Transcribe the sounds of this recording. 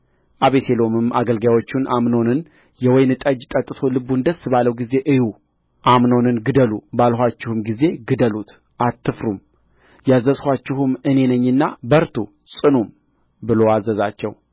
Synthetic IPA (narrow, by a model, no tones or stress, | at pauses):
ʔaβese̞lo̞mɨmaɡəlɡawo̞t͡ʃːunʔamno̞nɨn | jɛwɔjnɨt̪ʼəd͡ʒt̪ʼət̪ʼːɨ̥t̪ʰo̞lɨbːund̪əsɨbaləwɡize̞ʔɨju | ʔamno̞nɨnɡɨd̪əlubalɦʷat͡ʃːɪhumɡize̞ɡɨd̪əlut̪ | ʔat̪ʰːɨfɾum | jazːəshʷat͡ʃːɪhumɨne̞nəɲːɨnːabəɾt̪ʰu | sʼɨnum | bɨlo̞azəzat͡ʃːɛ̰w